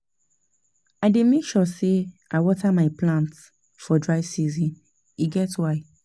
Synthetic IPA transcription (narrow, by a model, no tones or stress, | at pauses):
aɪdemekʃɔseaɪwɔtamaɪplãnts | fɔdɹaɪvsizĩn | iɡɛtwaɪ